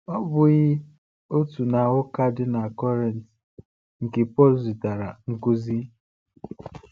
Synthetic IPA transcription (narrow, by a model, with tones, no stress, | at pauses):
ɔ˦bʊ˦ɣɪ˦ | o˦tu˨na˨ɣʊ˦ka˦dɪ˦na˨kɔ˦ɾe˨n˨t | ŋ̩˨ke˨pɔ˦lzi˨ta˨ɾa˨ŋ̩˦ku˦zi˦